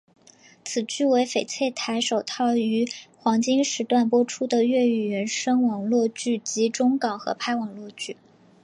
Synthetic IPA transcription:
t͡sʰɹ̩˨˩t͡ɕy˥˩we˧˥ɪfe˨˩ɪt͡sʰwe˥˩ɪt̪ʰa˧˥ɪʂo˨˩ʊt̪ʰɑ˥˩ʊy˧˥xwɑ˧˥ŋt͡ɕi˥ŋʂɻ̩˧˥t̪wa˥˩npwɔ˥ʈ͡ʂʰu˥d̪ə˨ɥɛ˥˩y˨˩ɥɛ˧˥nʂɤ˥ŋwɑ˨˩ŋlwɔ˥˧t͡ɕy˥˩t͡ɕi˧˥ʈ͡ʂʊ˥ŋkɑ˨˩ŋxɤ̰˧˥pʰa˥˩ɪwɑ˨˩ŋlwɔ˥˧t͡ɕy˥˩

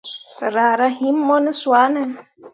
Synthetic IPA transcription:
ɾa˨ɾa˦ɦĩ˦mː˦ɔ˦nɪ˦swa˨˦nɛ˦

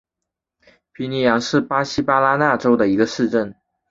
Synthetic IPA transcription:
pʰi˧˥ni˧˥jɑ˧˥ŋʂɻ̩˥˩pa˥ɕi˥pa˥la˥na˥˩ʈ͡ʂo˥ʊd̪ə˨i˧˥ɡə˧ʂɻ̩˥˧ʈ͡ʂə˥˩n

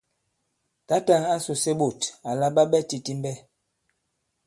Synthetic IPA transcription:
ta˦ta˦˨ŋa˦su˨se˦ɓo˨ta˨la˦ɓa˦ɓɛ˦ti˨ti˦m˦bɛ˦

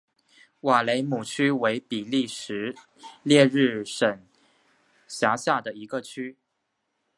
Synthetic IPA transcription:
wa˨˩le˧˥ɪmu˨˩t͡ɕʰy˥we˧˥ɪpi˨˩li˥˩ʂɻ̩˧˥ | ljɛ˥˧ɻɻ̩˥˩ʂə˨˩n | ɕja˧˥ɕja˥˩d̪ə˩i˧˥ɡə˧t͡ɕʰy˥

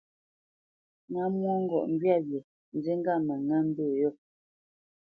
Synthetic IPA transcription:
ŋa˨˦mwɔ˦ŋ̩˦ɡɔ̰˨ʔŋ̩˦ɡɥja˦˨bje˨ | n̩˨d͡ze˦ŋ˦ɡa˦˨mɛ˨ŋa˦m̩˦be˦˨jɔ˦˨

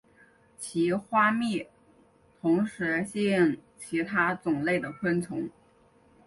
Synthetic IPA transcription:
t͡ɕʰi˧˥xwa˥mi˥˩ | t̪ʰʊ˧˥ŋʂɻ̩˧˥ɕi˥˩ŋt͡ɕʰi˧˥t̪ʰa˥t͡sʊ˨˩ŋle˥˩ɪd̪ə˩kʰwə˥nt͡sʰʊ˧˥ŋ

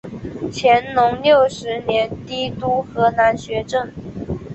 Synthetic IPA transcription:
t͡ɕʰjɛ˧˥nnʊ˧˥ŋljo˥˩ʊʂɻ̩˧˥njɛ˧˥nt̪i˥t̪u˥xɤ˧˥na˧˥nɕɥɛ˧˥ʈ͡ʂɤ˥˩ŋ

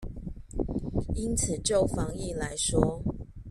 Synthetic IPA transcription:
i˦˥nt͡s̩ʰ˨˩t͡ɕjo˥˨ʊfɑ˨˦ŋi˥˨la˨˦ɪʂwɔ˥˦

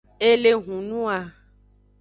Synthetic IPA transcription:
e˦le˦ɦũ˨nũ˦a˨

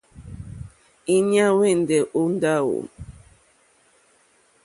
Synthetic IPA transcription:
i˦ɲa˦we˦˨n̩˨dɛ˨ʔu˦n˦da˦˨wo̰˨

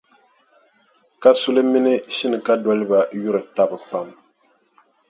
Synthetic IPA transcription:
ka˦su˦lɨ˦mi˦nɨ˦ʃi˦nɨ˨ka˦dɔ˦lɨ˦ba˨ju˦ɾɨ˨ta˦bɨ˨pa˨m

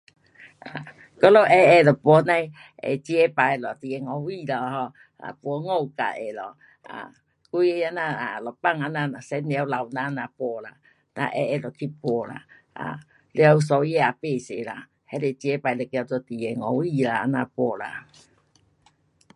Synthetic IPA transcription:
a˨ | kɔ˦lo˦ʔɛ˦ɛ˧˨lɔ˨pwɔ˨˧˦na˧j | ɛ̰˨t͡ʃi˦ɛ˦pa˨˦˨lɔ˨t̪i˨jɛ˨ŋɔ˨˦wi˦˨lɔ˧˨hɔ˧ | a̰˨pwɔ˨˦ŋo˦˧˨wka̰˨ʔɛ̰˨lɔ̰˨ | a̰˨ | ku˦jɛ˦ja˧˦na˧˨a˨lɔ˨pa˦˧˨ŋa˧˦na˧a˨sɛ˨˦nɛ˨˧˨wla˨wna˦na˧pɔ˧˦la̰˨ | na̰˧˦ʔɛ̰˧˦ɛ˧˨lɔ˨kʰi˦pɔ˨˧˦la̰˨ | a̰˨ | le˧˦a˧u˧sɔ˧˦jɛ˦a˨pe˧˨sḛ˨la˨ | hɛ˦le˨t͡ʃi˧˦ɛ˦pa˨˧jlɔ˨kɛ˧a˧d͡zɔ˧t̪i˨jɛ˨ŋɔ˨wi˦˧˨la˨a˨˧˦na˧˨pɔ˧˦la̰˨

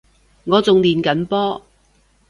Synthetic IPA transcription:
ŋɔː˨˧t͡sʊ˨ŋliː˨˩nkɐ˨˥npɔː˥

